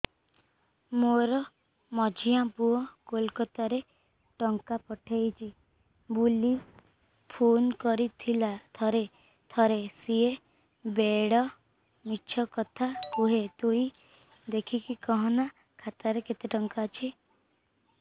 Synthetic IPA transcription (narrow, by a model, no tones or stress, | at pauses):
moɾɔ | mɔd͡ʒʱijãpuɔkolkɔt̪aɾe | ʈɔŋkapɔʈʰajt͡ʃʰi | buli | pʰonkɔɾit̪ʰilat̪ʰɔɾe | t̪ʰɔɾesie | beɽɔ | mit͡ʃʰɔkɔt̪ʰakuɦet̪ui | d̪ekʰikikɔɦɔna | kʰat̪aɾeket̪eʈɔŋkaːt͡ʃʰi